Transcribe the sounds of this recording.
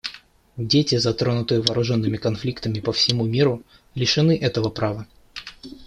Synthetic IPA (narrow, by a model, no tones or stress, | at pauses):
dʲetʲɪzɐt̪ɾonʊt̪ɨjʊvɐːɾʊʐo̞nːɨmʲɪkɐnflʲikt̪əmʲɪpəfsʲɪmumʲiɾʊ | lʲɪʂɨnɨʔɛt̪əvəpɾavə